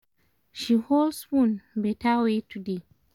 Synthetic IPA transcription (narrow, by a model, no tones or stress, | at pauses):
ʃiholswũnbɛtawetʰude